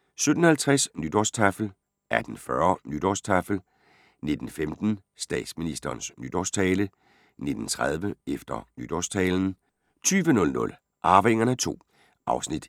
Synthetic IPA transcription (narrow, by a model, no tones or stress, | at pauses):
sød̥n̩hælt͡sʰʁɛsnyd̥ɒst͡sʰæfl̩ | ʔæd̥n̩fɶɐnyd̥ɒst͡sʰæfl̩ | ne̝d̥n̩femd̥n̩ | sd̥ɛ̰ːd̥sminisd̥ɐːnsnyd̥ɒst͡sʰɛːlə | ne̝d̥n̩t͡sʰʁað̞ˠʋəefd̥ɐnyd̥ɒst͡sʰɛːln̩ | t͡sʰyːʋənɔ̽lnɔ̽l | ʔɑ̈ːʋeŋɐnæt͡sʰo̝̰ː | ʔɑ̈ʊsnid̥